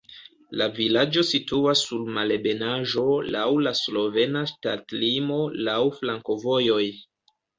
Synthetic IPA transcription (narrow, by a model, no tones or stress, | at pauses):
lavilad͡ʒo̞situasːuɾmalebe̞naʒo̞lawlaslo̞ve̞nastatlimo̞lawflaŋko̞vo̞jo̞j